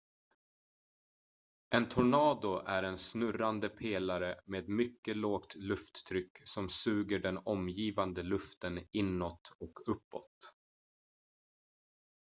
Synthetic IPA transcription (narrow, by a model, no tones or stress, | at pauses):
ʔɛnt̪ʰʊɳɑːd̪ʊʔæɾɛnsnɵɾand̪əpʰeːlaɾəmeːd̪mʏkːəloːɡt̪lɵft̪ːʰɾʏkːsɔmsʉ̟ːɡəɖɛnɔmjiːvand̪əlɵft̪ənɪnːɔt̪ɔkʰɵpːɔ̰t̪